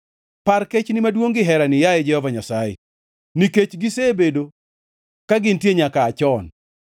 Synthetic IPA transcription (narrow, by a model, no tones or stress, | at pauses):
paɾket͡ʃnɪmadwoŋɡɪɦɛɾanɪjajed͡ʒɛhɔvaɲasajḛ | niket͡ʃɡɪsebedo | kaɡɪntjeɲakaːt͡ʃɔn